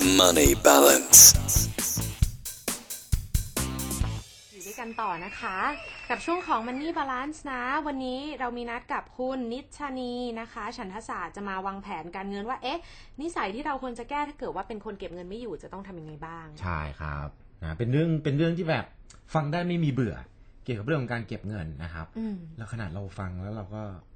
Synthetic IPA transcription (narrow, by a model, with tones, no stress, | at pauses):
ma˧niba˦lə̰˨ns | juː˨˩da˥˩jka˧nt̪ɔː˨˩na˦˥kʰa˦˥ka˨˩p̚t͡ɕʰu˥˩əŋkʰɔː˩˦ŋma˧nːiː˥˩baː˧laː˦˥nsna˦˥wa˧nːiː˦˥ɾa˧wmiː˧na˦˥t̪̚ka˨˩p̚kʰu˥˩nːi˦˥t̪̚t͡ɕʰaː˧niː˧na˦˥kʰa˦˥t͡ɕʰa˦˥npʰa˧saː˨˩t̪̚t͡ɕa˨˩maː˧waː˧ŋpʰɛː˩˦nkaː˧nŋɤ˧nwaː˥˩ʔe˦˥ʔ | ni˦˥sa˩˦jt̪ʰiː˥˩ɾa˧wkʰo˧ənt͡ɕa˨˩kɛː˥˩t̪ʰaː˥˩kɤː˨˩t̪̚waː˥˩pe˧nkʰo˧nke˨˩p̚ŋɤ˧nma˥˩juː˨˩t͡ɕa˨˩t̪ɔ˥˩ŋt̪ʰa˧mja˧ŋa˧jbaː˥˩ŋt͡ɕʰa̰˥˩jkʰɾa̰˦˥p̚ | na˦˥pe˧nɾɯ˥˩əŋpe˧nɾɯ˥˩əŋt̪ʰiː˥˩bɛː˨˩p̚ | fa˧ŋdaː˥˩jma˥˩jmiː˧bɯ˨˩ɐ | ki˨˩əka˨˩pɾɯ˥˩əkʰːɔ˦ŋkaː˧nke˨˩p̚ŋɤ˧nːa˦˥kʰa̰˦˥p̚ʔɯ˧lɛː˦˥wkʰa˧na̰ː˨˩t̪̚ɾa˧wfa˧ŋlɛː˦˥wɾa˧wkɔː˥˩